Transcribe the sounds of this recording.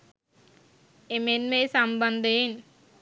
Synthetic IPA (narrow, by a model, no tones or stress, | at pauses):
emenmejsɐmbɐnd̪ɐjen